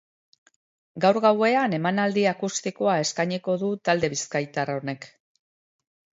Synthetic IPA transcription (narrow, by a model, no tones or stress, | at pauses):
ɡawɾɣawe̞ane̞manald̪iakust̪iko̞ae̞skajɲiko̞ðut̪ald̪e̞βiskajt̪arao̞ne̞k